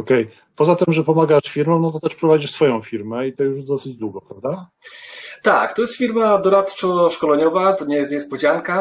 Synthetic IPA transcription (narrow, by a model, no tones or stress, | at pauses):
ɔkɛj | pɔzat̪ɘmʐɛpɔmaɡaʂfʲiɾmɔ̃w̃nɔt̪ɔt̪ɛʂpɾɔvad͡ʑiʂsfɔjɔ̃w̃fʲiɾmɛit̪ɔjuʂjɛzd̪ɔsɘd͡ʑd̪wuɡɔpɾavd̪a | t̪ak̚t̪ɔjɛst̪fʲiɾmad̪ɔɾat̪t͡ʂɔʂkɔlɛɲɔvat̪ɔɲɛjɛst̪ɲɛspɔd͡ʑaŋka